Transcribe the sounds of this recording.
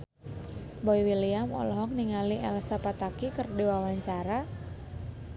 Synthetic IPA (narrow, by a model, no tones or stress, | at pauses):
bɔiwiliamɔ̰lɔɦɔk̚niŋaliʔɛlsapat̪akikɨrdiwawaɲt͡ʃaɾa